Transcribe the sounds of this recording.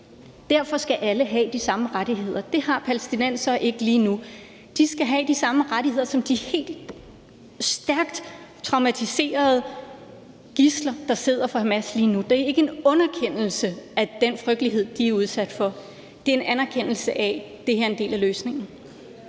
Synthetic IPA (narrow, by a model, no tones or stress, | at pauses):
d̥æɐ̰fɒ̽sɡ̥æʔæləɦɛd̥isɑ̈məʁaɾ̥iɦe̝ð̞̰ˠɐd̥e̝hɑ̈pʰælesd̥inæn̰sɒʔe̝ɡ̥əliːnu | d̥isɡ̥æɦɛd̥isɑ̈məʁaɾihe̝ð̰ˠɐsɒ̽md̥ihe̝̰ːld̥ | sd̥æɐɡ̥d̥ | t͡sʰʁɑ̈ʊmæt͡sʰise̝̰ːɐð̩ˠ | ɡ̥islɐd̥ɑ̈se̝ð̞̰ˠɐfɒmæsliːnud̥eæɐe̝ɡ̥əe̝nɔ̽nɐkʰen̰l̩səæd̥enfʁœɡ̥d̥əliɦe̝ð̞̰ˠd̥iæɐuð̞ˠsæd̥fɒ̽ | d̥e̝ɐe̝nænæɐkʰen̰l̩səʔæ | d̥e̝heɐe̝nd̥e̝̰ːlæløːsne̝ŋn̩